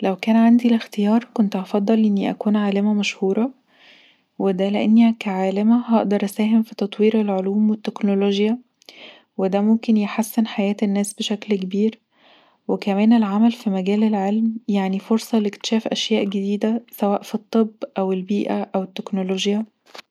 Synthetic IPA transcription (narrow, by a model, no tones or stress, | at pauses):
læwkæːnʕand̪ilext̪ejɑːɾˤkont̪ʔɑfɑd̪ˤːɑlʔenːiʔæ̰kuːnʕaːlæmæmæʃhuːɾˤɑ | wed̪æleʔenːikæʕaːlemæɦɑʔd̪ɑɾˤʔæsæːɦemfit̪ɑt̪ˤwiːɾelʕoluːmwet̪ːeknoloʒjæ | wed̪æmomkenjeħasːenħajæːt̪enːæːsbeʃæklkebiːɾ | wekæmæːnelʕamælfimæɡæːlelʕelmjaʕnifoɾsˤɑlekt̪e̥ʃæːfʔæʃjæːʔɡed̪iːd̪æsæwæːʔfit̪ˤːebːʔæwelbiːʔæʔæwet̪ːeknoloʒjæ